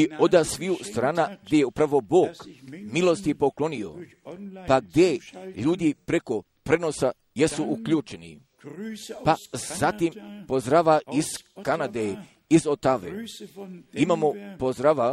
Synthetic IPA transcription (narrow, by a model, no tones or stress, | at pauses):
io̞d̪asʋiust̪ɾaːnaɡd̪jejeupɾaʋo̞bo̞ːkmilˠo̞st̪ipo̞klˠo̞nio̞̰ | paɡ̚d̪ʲjeʎuːd̪ipɾe̞ko̞ | pɾe̞no̞sa | je̞suukʎuːt͡ʃe̞nḭ | paz̥at̪impozd̪ɾaʋaiskanad̪e | izot̪aʋḛ | imaːmopozɾaʋa